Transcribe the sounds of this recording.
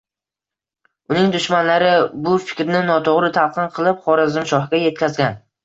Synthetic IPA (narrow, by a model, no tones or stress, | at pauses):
ʊnɪŋd̪ʊʃmanlaɾɪbʊfɪ̥kʲɾnɪnɒt̪ʰoʁɾɪt̪ʰalˠqʰɨnqʰɨlˠɪpχɒɾazɪmʃɒhɡʲaje̞t̪̚kʲʰazɡʲan